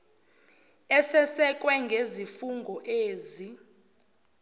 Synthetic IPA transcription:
ɛsɛsɛk̬ʼwɛŋɡʱezifuŋɡʱɔʔeːzi

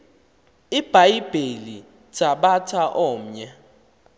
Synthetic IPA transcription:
ib̥ʱajib̥ʱeli̥ | t͡sʼaɓatʰaʔɔːm̩ɲɛ

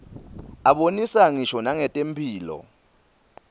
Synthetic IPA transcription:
aɓonisaŋiʃɔnaŋɛtʼempʰʼiːlɔ̰

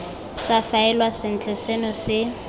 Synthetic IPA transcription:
safaɛlwasɪn̩t͡ɬʰʼɛsɛnɔsɪ

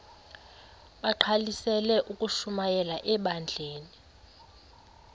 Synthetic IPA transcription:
ɓaǃʰalisɛlɛʔukʼuʃumajɛlaʔɛɓand͡ɮʱeːni

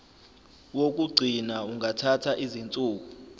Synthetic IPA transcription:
wok̬ʼuɡ͡ǀʱinauŋatʰatʰaʔizint͡sʼuːk̬u

